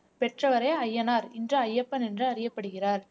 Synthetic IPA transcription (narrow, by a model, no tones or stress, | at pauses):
pɛʈrɐʋɐɾeːɐjːɐnaːɾɪndrɐɐjːɐpːɐnɛndrɯɐɾɪjɐpːɐɽɯɣɪraːɾ